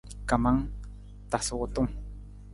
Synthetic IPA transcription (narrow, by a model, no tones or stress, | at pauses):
kamaŋ | t̪asot̪ʊŋ